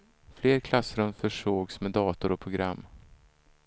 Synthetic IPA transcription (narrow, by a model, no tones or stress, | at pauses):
fleːɾkʰlasɾɵmfœʂoːɡsmɛd̪ɑːt̪ʊɾɔpʰɾʊɡɾa̰mː